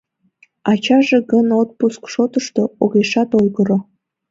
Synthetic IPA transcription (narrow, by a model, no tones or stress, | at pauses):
ɑt͡ɕɑʒeɣənot̪̚puskʃot̪əʃt̪ooɣeʃɑt̪ojɣəɾo